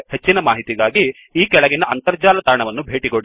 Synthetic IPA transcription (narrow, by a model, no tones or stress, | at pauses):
het͡ʃːinɐmaːɦit̪iɡaːɡi | iːkɛɭɐɡinɐɐnt̪ɐɾd͡ʒaːlɐt̪aːɳɐʋɐnːubʱe̞ːʈiɡoɽi